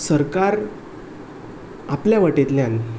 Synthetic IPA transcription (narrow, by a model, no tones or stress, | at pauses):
səɾkaɾ | apljaʋəʈet̪ljãn